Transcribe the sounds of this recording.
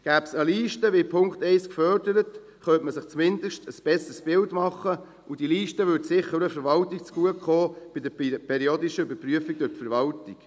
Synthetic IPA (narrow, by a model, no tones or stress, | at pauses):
ɡ̥æːbsəliːʃtəʋipʰʊŋkχt̪ɛɪskfœɾd̥əɾət | χœntməsɪχt͡smɪnd̥̪əʃtəsb̥ɛsəsb̥ɪltmɑχːə | ud̥iliːʃtəʋʏɾtsɪχəɾəfɛɾʋɑltik̚t͡sɡ̥uəχoːb̥ɪdəpʰɛɾioːd̪iʃəybəɾpryəfiɡ̚dʊtfɛɾʋɑltik